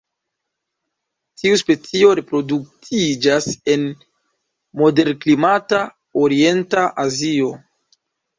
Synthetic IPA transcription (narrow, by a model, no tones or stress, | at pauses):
tiuspe̞t͡sio̞ɾe̞pɾo̞duk̚tʰid͡ʒase̞n | mo̞de̞ɾklimata | oɾie̞ntaʔazio̞